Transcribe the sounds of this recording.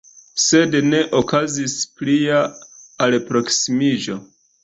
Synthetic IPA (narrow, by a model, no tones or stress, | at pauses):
se̞dne̞ʔokazispliaalpɾo̞ksimid͡ʒo̞